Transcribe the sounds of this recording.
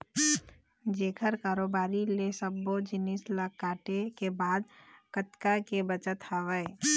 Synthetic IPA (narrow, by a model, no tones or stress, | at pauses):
d͡ʒeːkʰəɾkaːɾoːbaːɾilesəbːod͡ʒɪnɪslakːaːʈekebaːd̪kət̪kakebət͡ʃət̪haʋəe